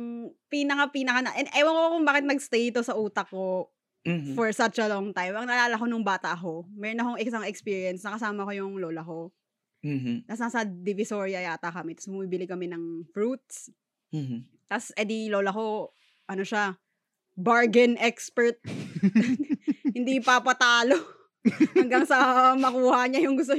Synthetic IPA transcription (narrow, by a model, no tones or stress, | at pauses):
mpiːnɐkapiːnɐkanɐʔɛʔɐjwɐŋkokʊŋbaːkɪt̪nɐɡst̪ejt̪osɐʔuːt̪ɐko̞ | fɔɹsɐt͡ʃɐloŋt̪ajmɐŋɐʔɐlaːlɐko̞nʊŋbaːt̪ɐʔko̞mɛːɾonɐkoŋɪksaŋɛkspiːɹiɛnsnɐkɐsaːmɐko̞jʊŋloːlɐko̞ | t̪asnasɐd̪ɪvɪsoɹjɐaːt̪ɐkɐmɛt̪ɐ̥sbʊmibɪlɪkɐmɛnɐŋfɹut̪̚s | t̪ɐsʔɛd̪iloːlɐko̞ | ʔɐnoʃa | baɹɡɛnʔɛkspɛɹt̪̚ | hɪnd̪ipapɐt̪aːlo | ɐŋɡaŋsɐmɐkuːhɐɲajʊŋɡʊs̬t̪o